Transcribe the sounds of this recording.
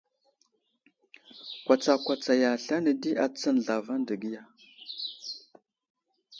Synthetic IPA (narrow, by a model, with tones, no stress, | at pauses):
kʷa˨t͡sa˨kʷa˨t͡sa˨ja˨ɬa˦nə˨di˦ʔa˨t͡sə˦n˨ɮa˨va˦ndə˨ɡi˦ja˨